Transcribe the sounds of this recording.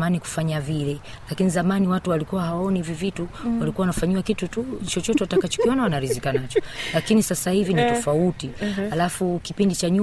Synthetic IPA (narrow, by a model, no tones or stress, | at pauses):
maniku̥faɲavilɛ | lakinizamaniwatuwalikuwaɦawaɔnivivituwalikuawanafaɲiwakitutut͡ʃɔt͡ʃɔtɛwatakat͡ʃɔ̥kiɔnawanaɾizikanat͡ʃɔ̥lakinisasahivinitɔfautihalafukipindit͡ʃaɲu